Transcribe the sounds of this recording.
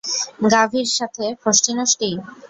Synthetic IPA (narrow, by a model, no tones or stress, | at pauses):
ɡabʱiɾʃat̪ʰefosʈinoʃʈi